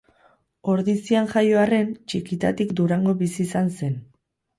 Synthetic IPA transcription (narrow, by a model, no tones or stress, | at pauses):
o̞ɾðisianʝajo̞are̞nt͡ʃikit̪at̪ikd̪uɾaŋɡo̞βisiːsanse̞n